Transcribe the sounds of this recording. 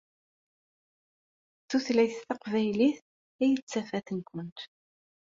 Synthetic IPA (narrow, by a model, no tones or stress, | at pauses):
θuθlæjθθɑqvæjliθ | æjət͡sːæfæθənkʷənt̪